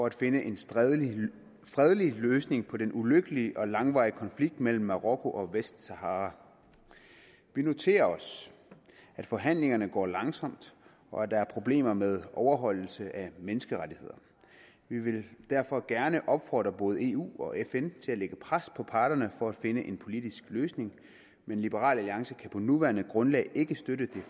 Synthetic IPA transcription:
fɒ̽æd̥fe̝nəʔe̝n | sd̥ʁɛð̞ˠəliløːsne̝ŋpʰɒ̽d̥enʔuløɡ̥əliʔɒ̽lɑ̈ŋʋɑ̰̈ɪiəkʰɒ̽nfliɡ̥̚d̥mel̰m̩ːɑʁɔkʰo̝ʔɒ̽ʋesd̥sɑɦɑ̈ːʁɑ | ʋino̝t͡sʰe̝̰ːɐɒ̽s | æd̥fɒ̽ɦæn̰le̝ŋɐnəɡ̥ɒ̰ːlɑ̈ŋsɒ̽m̰d̥ | ɒ̽æd̥ɑ̈æɐpʰʁo̝b̥le̝̰ːmɐmeð̞ˠʔɒʊɐɦɒ̽l̰l̩səʔæmenəsɡ̥əʁadihe̝ð̰ˠɐ | ʋiʋe̝ld̥æɐ̰fɒ̽ɡ̥æɐnəʔɒ̽b̥fɒ̰ːd̥ʁɐb̥ɔ̽ːð̞ˠe̝̰ːṵːɒ̽ʔefent͡sʰe̝læleɡ̥əpʰʁaspʰɒ̽pʰɑ̈ːɾ̥ɐnəfɒ̽æd̥fe̝nəʔe̝npʰo̝lid̥isɡ̥løːsne̝ŋ | menlib̥əʁɑ̰̈ːlæliɑ̈ŋsəkʰæpʰɒ̽nuʋæɐnəɡ̥ʁɔ̽nlɛ̰ːɪʔe̝ɡ̥əsd̥øɾəd̥e̝

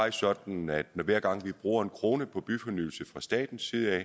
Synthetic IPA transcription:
ɑ̈ɪsɒ̽d̥n̩æd̥nɒʋæɐɡ̥ɑ̈ŋ̰ʋib̥ʁṵːɐe̝nkʰʁo̝ːnəpʰɒ̽b̥yfɒ̽nyːl̩səfʁɑ̈sd̥ɛ̰ːd̥n̩sːiːð̞ˠəɛ̰

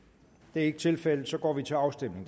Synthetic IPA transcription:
d̥e̝æɐe̝ɡ̥ə̥t͡sʰe̝lfel̰ð̩ˠsɒ̽ɡ̥ɒ̰ːʋit͡sʰe̝lɑ̈ʊsd̥emne̝ŋ

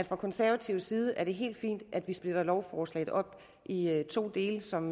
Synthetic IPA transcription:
æd̥fʁɑkʰɒ̽nsæɐʋæt͡sʰiʊsiːð̞ˠəʔæɐɾ̥e̝ɦe̝̰ːld̥fḭːnd̥ʔæd̥ʋisb̥le̝d̥ɐlɒʊfɒːslɛ̰ɪð̩ˠʔɒ̽b̥ | ʔiøt͡sʰo̝̰ːd̥e̝ːləsɒ̽m

